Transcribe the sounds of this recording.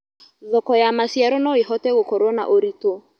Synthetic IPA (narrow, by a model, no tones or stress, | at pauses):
ðɔkɔjamasiaɾɔnɔiɦɔtɛɣokɔɾwɔna̰ʔoɾito